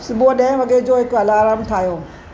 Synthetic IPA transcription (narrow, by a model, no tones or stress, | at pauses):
sʊboɗɐ̃ɦɪ̃ʋɐɡed͡ʑoːɦɪkɐlaːɾaːmt̪ʰaːɦijoː